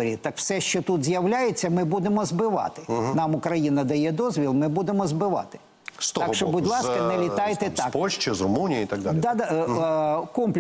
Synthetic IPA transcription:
ɾʲit̪ɐkw̥sɛʃt͡ʃɔt̪ut̪zʲjɐwlʲajet͡sʲːɐmɪbud̪emɔzbɪʋɑ̰t̪ɪ̥nɑmʊkɾɐjinɐd̪ɐjɛd̪ɔzʲʋʲilˠmɪbud̪emɔzbɪʋɑ̰t̪ɪ̥ | st̪ɔɑʃʃɔbudʲlˠɑskɐnɛlʲit̪ɑjt̪ɛt̪ɑkpɔlʲʃt͡ʃɪzrʊmunʲijiit̪ɐɡ̚d̪ad̪ɑd̪ɑ | kɔmplʲ

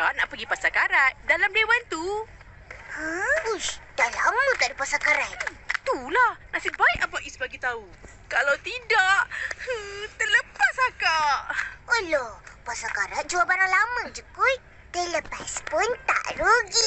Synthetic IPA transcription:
taʔnaʔpəɡipasakaɾaʔ̪̚dalamlewant̪u | həusd̥alamət̪aʔdəpasakaɾat̪̚t̪ulahnasibaiʔapaʔisbaɡit̪au | kalawt̪idaʔət̪ərləpasakaʔɔlɔpasakaɾaʔ̪̚d͡ʒuabanalaməŋd͡ʒəku | d̪ələpaspʊnt̪a̰ʔɾoɡi

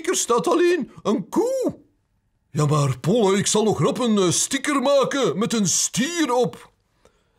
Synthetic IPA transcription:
kərstaːtɑleːnənkuː | jaːmaːrpɔləɪksɑlˠɔxrɑpənstɪkərmaːkəmɛtənstiːɾɔp

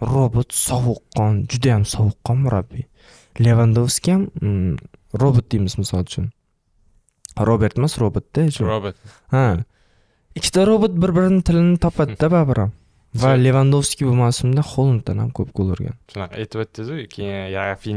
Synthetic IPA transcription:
ɾobʊt̪sɒwʊqʰːɒnd͡ʒʊd̪ajamsɒwʊqːɒnmʊɾabːi | le̞vand̪ofskʲijam | ɾobʊt̪̚d̪ijmɪzmɪsɒlˠʊt͡ʃʰʊn | ɾobe̞ɾt̪masɾobʊt̪̚d̪̥aʃʊobt̪ | a | ɪkʲʰːɪ̥t̪ʰaɾobʊt̪̚bɪɾbɪɾɪnɪt̪ʰɪlɪnɪt̪ʰɒpʰat̪d̪ababɪɾʔam | vale̞vand̪ofskʲibʊmawsʊmd̪aχolˠɪnt̪anhamkʰɵpkʰolˠɪɾɡʲa̰nʃʊnɑqʰɑ̰et̪ɪbat̪ʰːɪd̪ʊjkʰʲejafi

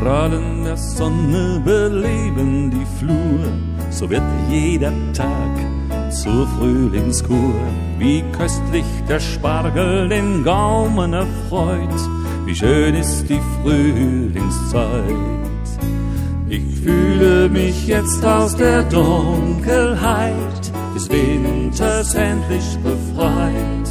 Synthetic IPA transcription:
ʁaləndeːɐzɔnə | bəleːbəndiːfluːə | z̥oːvɪɐtjeːdɐ | tʰaːk | t͡suːfʁyːlɪŋskʰuː | viːkʰœstʰlɪçd̥eːɐʃpaʁkl̩deːnɡaʊmənɛfʁɔʏt | vḭːʃøːnɪstd̥iːfʁ̥yː | lɪŋst͡saɪ | t | ʔɪçfyːləmɪçjɛt͡staʊsd̥eːɐdʊŋkəlhaɪ | t | d̥ɛsv̥ɪntʰɐsɛntlɪçb̥əfʁ̥aɪ | t

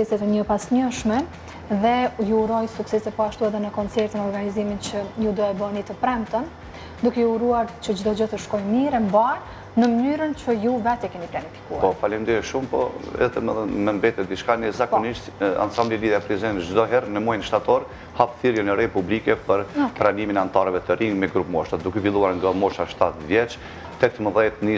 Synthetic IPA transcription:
ɛsɛt̪ɛɲəpasɲəʃmɛ | ðɛjuːɾɔjsuksɛsɛpɔaʃt̪uɛðɛnəkɔnt͡sɛɾt̪ənɔɾɡanizimint͡ʃəjud̪uɛbənit̪əpɾɛmt̪ən | d̪ukɛuɾuaɾt͡ɕəd͡ʒd̪ɔd͡ʒɔt̪əʃkɔjmiɾɛmbaɾ | nəmənyɾənt͡ʃəjuvɛt̪ɛkɛmiplanifi̥kuapɔfalimd̪iɛʃumpɔ̰ɛ̰ðɛɛðɛmɛmbɛt̪ɛt̪̚d̪iʃkanɛzakɔniʃt̪a̰nsambliliðjapɾizɛnd͡ʒd̪ɔɦɛɾnəmujnʃt̪at̪ɔɾ | hapθiɾjɛnɛɾɛpublikɛpəɾpɾaniminɛant̪aɾɛvɛt̪əɾiŋɡmɛɡɾupmɔʃad̪ukɛfilˠuaɾŋɡamɔʃaʃt̪at̪vjɛt͡ʃ | t̪ɛt̪əməðɛt̪ni

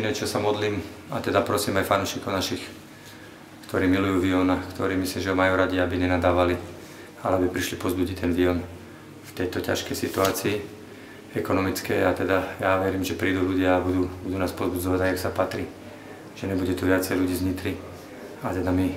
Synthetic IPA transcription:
nɛt͡ʃɔsamɔd̪liːm | a̰t̪ɛd̪apɾɔsiːmajfanuːʃikɔʊnaʃix | kt̪ɔɾiːmilujuːʋiɔnakt̪ɔɾiːmisliːmʒɛɦɔmajuːɾaɟiabiɲɛnad̪aːʋali | alɛabipɾiʃlipɔzbuɟit̪ɛnʋiɔn | ft̪ɛjt̪ɔca̰ʃkɛjsit̪uaːt͡siː | ɛkɔnɔmit͡skɛːat̪ɛd̪ajaʋɛɾiːmʒɛpɾiːd̪uluɟɪaabud̪uːbud̪uːnaːspɔzbud͡zɔʋaɟajaksapat̪ɾiː | ʒ̥ɛɲɛbuɟɛt̪uʋɪat͡sɛjluɟiːzɲit̪ɾi | at̪ɛd̪ami

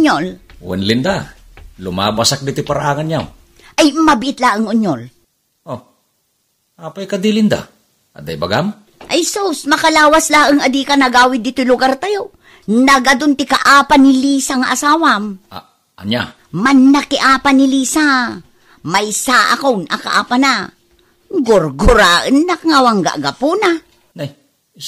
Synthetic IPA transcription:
ɲolwɛ̰nlɪnd̪a | lʊma̰basak̚d̪ɪt̪ojpaɾaʔaːŋanjaw | ʔajmɐbɪʔɪt̪laʔaŋʔʊɲol | ʔo | ʔaːpajkad̪ilɪnd̪a̰ | ʔɐ̰d̪a̰jba̰ɡam | ʔɐjsosmɐkɐlaːwaslaʔɨŋad̪ikanɐɡaːwɪd̪ɪt̪ojlʊɡaɾt̪ajo | naɡad̪ʊnt̪ɪkaʔaːpanɪlisaŋaʔasaːwam | ʔɐ̰nja | manːakɪʔaːpanɪliːsa | majsaʔa̰konʔa̰ka̰ʔa̰ːpana | ɡʊɾɡʊɾaʔɨnːakŋawaŋɡa̰ʔɡapuna | naj

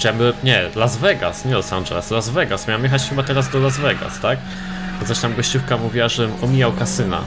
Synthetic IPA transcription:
t͡ɕamɲɛlazvɛɡa̰sɲɛlɔsa̰nʐɛ̰lɛslazvɛɡasmʲawamjɛxat͡ɕxɘbat̪ɛɾazd̪ɔlazvɛɡa̰st̪ak | bɔt̪aɕt̪amɡɔɕt͡ɕufkamuvʲiwaʐɛɘmɔmʲijawkasɘna̰

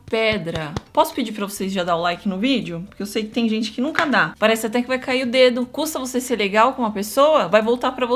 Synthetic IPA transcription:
pɛd̪ɾɐpɔsʊ̥ped͡ʒiɾpɾɐvosejzʒad̪aʊlajkɪnʊvid͡ʒɪʊpoɾkeewsejkɪ̥t̪ẽj̃ʒẽnt͡ʃɪ̥kɪnũkɐd̪apaɾɛsɪat̪ɛkɪvajjkaiɾʊd̪ed̪ʊkust̪ɐvoseseɾleɡawkõũmɐpesowɐvajvowt̪aɾpɾɐvo

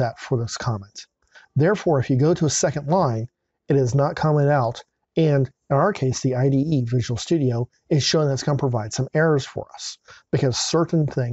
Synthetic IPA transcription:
ɛtfə˞ðɪskʰɑmɛ̃nt̪ | ðɛɹfɔɹɨfjɨɡoʊɾəːsɛkɨ̃ndˡlãɪ̃n | ɨɾɨznət̚kʰɑmɨ̃ŋaʊɾ | ɨ̃n | ɪ̃naʊə˞kʰeɪsðiaɪdiivɪʒəwl̩ˠstʉɾioʊ | ɨz̥ʃoʊɪ̃ŋðɨtsɡ̥ʌ̃nəpʰɹ̥əvaɪd̥sʌ̃mɛɹə˞z̥fə̰˞ʌ̰sb̥ɨkʰʌz̥sɜ˞ʔn̩θɪ̃ŋ

